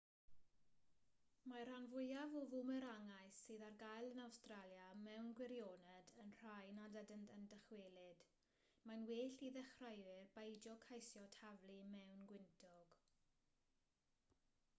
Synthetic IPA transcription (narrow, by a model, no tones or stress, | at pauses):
maɾanvʊjavɔvʊmɛɾaŋajsːɨːðarɡajlˠənawstralˠjamɛwnɡwɪɾjoːnɛdənr̥ajnadədəntʰəndəχweːlˠɪd̥ | manweːɬiðɛχrajwɪrbejd͡ʒɔkʰajsjɔtʰavlˠimɛwnɡwɪntʰɔɡ̥